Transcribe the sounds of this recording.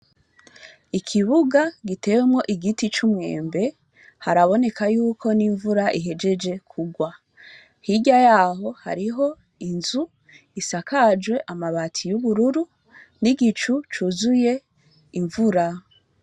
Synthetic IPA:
ikʰiβuɡaɡite̞wemŋo̞ʔiɡitit͡ʃumŋe̞̰ːmbe̞ | haɾaβo̞ne̞kajuːkʰo̞niɱvuɾaʔiɦe̞d͡ʒe̞d͡ʒe̞kʰuɡwa | hiɟajaːɦo̞ha̰ɾiɦo̞ | inzu | isakad͡ʒwe̞ʔamaβatʰijuβuɾuɾu | niɡit͡ʃut͡ʃuzuje̞ | iɱvuɾa

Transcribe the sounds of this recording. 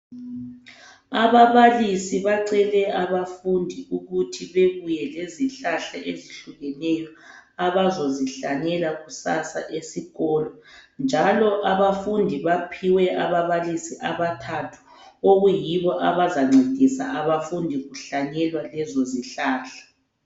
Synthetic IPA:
aβaβalisiβaǀɛlɛaβafundʱiuɣutʰiβeβujɛleziɬaɬaʔeziɬuɣɛnɛjɔaβazoziɬaɲɛlaɣusasa̰ʔesiɣɔːlɔnd͡ʒʱalɔʔaβafundʱiβapʰiwɛʔaβaβalisiʔaβatʰatʰu̥ | oɣujiβɔʔaβazaŋ͡ǀʱed̥ʱisa̰aβafundʱiɣuɬaɲɛlwalɛzoziɬaːɬḁ

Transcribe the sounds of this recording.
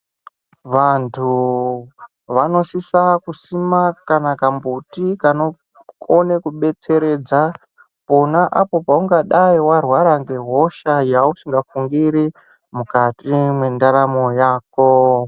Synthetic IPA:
ʋantʰu | ʋano̞sisakusimakanakambutikano̞ | konekuɓe̞t͡se̞ɾe̞d͡za | ponaʔapo̞pauŋɡaɗaiwarwaɾaŋɡe̞ɦo̞ʃajausiŋɡafuŋɡiɾi | mukatimwe̞ndaɾamo̞jaːko

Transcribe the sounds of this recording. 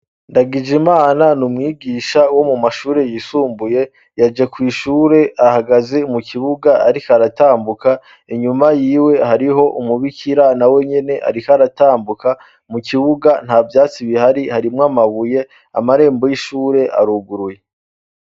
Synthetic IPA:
ndaɡid͡ʒimaːnanumŋiːɡiːʃawo̞mumaʃuːɾe̞jisuːmbuje̞ | jad͡ʒakwiːʃuːɾe̞ahaɡaze̞muciβuɡaːɾikaɾataːmbuka | iɲumajiːwe̞haɾiɦo̞ʔumuβikʰiɾanawe̞ɲe̞ne̞ʔa̰ɾikaɾataːmbuka | muciβuɡan̥haːvjaːt͡siβihaɾihaɾimŋamaβuje̞ | a̰maɾe̞ːmbo̞jiʃuːɾe̞ʔa̰ɾuɡuɾuje̞

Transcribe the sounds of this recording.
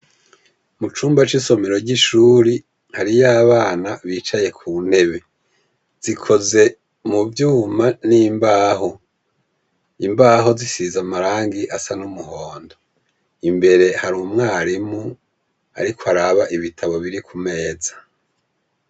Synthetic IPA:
mut͡ʃuːmbat͡ʃiso̞meɾo̞ɟiʃuːɾi | haɾijaːβaːnaβiːt͡ʃaje̞kʰun̥e̞βe̞ | z̥ikʰo̞ze̞ | muvjuːmaniːmbaːɦo | imbaːɦo̞zisizamaɾaːŋɡiʔasanumuhoːndo | imbe̞ɾe̞haɾumŋaːɾimu | a̰ɾikʰoaɾaβaʔiβitʰaβo̞βiɾikʰume̞ːzḁ

